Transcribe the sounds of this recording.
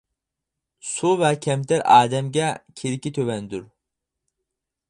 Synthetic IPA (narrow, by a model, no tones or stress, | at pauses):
suvɛcʲʰɛmt̪ʰɛɾaːd̪ɛmɡacʰeɾicʲit̪ʰøvɛnd̪yɾ